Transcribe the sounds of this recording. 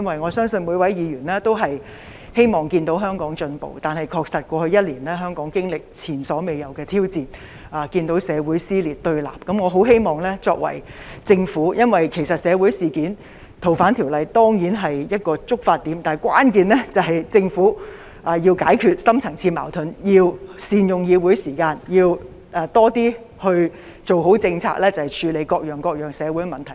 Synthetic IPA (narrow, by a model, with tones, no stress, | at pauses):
jɐ˥nwɐ˨jŋɔː˨˧sœː˥ŋsɵ˧nmu˨˧jwɐ˨˥jjiː˨˧jɥyː˨˩nlɛː˥t̪o˥wɦɐ˨j | he˥jmɔː˨˩ŋkiː˧nt̪o˨˥wɦœː˥ŋkɔː˨˥ŋt͡ʃɵ˧npo̰˨wt̪aː˨˩nhɐ˨˩jkʰɔː˧k̚sɐ˨t̚kʷɔː˧hɵ˧ɥjɐ˥t̚liː˨˩nlɛː˥ɦœː˥ŋkɔː˨˥ŋkɪ˥ŋlɪ˨k̚t͡sʰiː˨˩nsɔː˨˥me˨jɐ˨˩wkɛː˧t̪ʰiː˥wt͡siː˨˧n | ʔaː˨kiː˧nt̪o˨˥wsɛː˨˧wu˨˥jsiː˥liː˨˩t̚t̪ɵ˧ɥla̰ː˨˩p̚kɐ˨˥mŋɔː˨˧ɦo˨˥wɦe˥jmɔː˨ŋlɛː˥t͡sɔː˧k̚wɐ̰˨˩jt͡sɪ˧ŋfuː˨˥jɐ˥nwɐ˨jkʰe˨˩jsɐ˨t̚sɛː˨˧wu˨˥jsiː˨kiː˨˥n | t̪ʰo˨˩wfaː˨˥nt̪ʰi˨˩wlɐ˨˧jt̪ɔː˥ŋjiː˨˥nɦɐ˨jjɐ˥t̚kɔː˧t͡sʊ˥k̚faː˧t̪ːiː˨˥mt̪aː˨˩kwaː˥nkiː˨˧nlɛː˥t͡sɐ˨wɦɐ˨jt͡sɪ˧ŋfuː˨˥ | ʔaː˨˩ji˧wkaː˨˥jkʰyː˧t̚sɐ˥mt͡sʰɐ˨˩ŋt͡sʰiː˧ma̰ː˨˩wt̪ʰɵ˨˥njiː˧wsiː˨˧njʊ˨˩ŋjiː˧wuː˨˥jsiː˨˩kaː˧njiː˧w | ʔa˨˧t̪ɔː˥t̪iː˥ | hɵ˧ɥ | t͡so˨wɦo˨˥wt͡sɪ˧ŋt͡sʰa̰ː˧k̚lɛː˥t͡sɐ˨whɐ˨jt͡ʃʰyː˨˧le˨˧jkɔː˧k̚jœː˨˩ŋkɔː˧k̚jœː˨˩ŋsɛː˨˧wuː˨˥jmɐ˨˩nt̪ʰɐ˨˩j